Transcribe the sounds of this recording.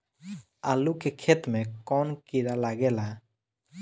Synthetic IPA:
alukɛkʰɛt̪mɛkɔnkiɾalaɡɛla

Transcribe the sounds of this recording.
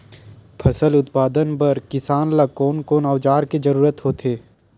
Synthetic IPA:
pʰɐsəlʊt̪paːd̪ənpɐɾkɪsaːnlakoːnkoːnaʋd͡ʒaːɾked͡ʒəɾuːɾət̪ɦoːt̪ʰeː

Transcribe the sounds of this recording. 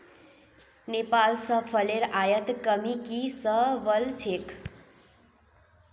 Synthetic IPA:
nepalsʌpʰəleɾajət̪kʌmikisʌʋʌlt͡sʰek

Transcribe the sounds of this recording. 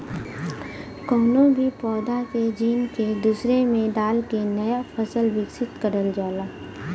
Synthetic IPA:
kɔːnõbʱipɔːd̪aked͡ʒiːnked̪uːsɾemẽd̪aːlkenɐjafʰəsəlʋɪksɪt̪kəɾəld͡ʒaːlaː

